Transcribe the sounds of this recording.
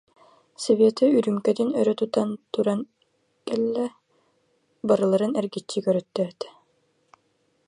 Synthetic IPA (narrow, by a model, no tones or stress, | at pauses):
sɛveːt̪ɐyɾymkɛd̪inœɾœt̪ut̪ant̪uɾan | kɛlːɛ | baɾɯlˠaɾɯnɛɾɡit͡ɕːikœɾœt̪ːɛːt̪ɛ̥